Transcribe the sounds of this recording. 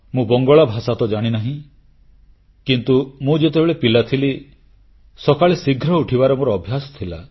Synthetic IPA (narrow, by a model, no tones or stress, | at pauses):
mũbɔŋɡɔɭabʱasat̪ɔd͡ʒaɽ̃inaɦĩ | kint̪umũd͡ʒet̪ebeɭepilat̪ʰili | sɔkaɭesiɡʱɾɔuʈʰibaɾɔmoɾɔːbʱjasɔ̥t̪ʰila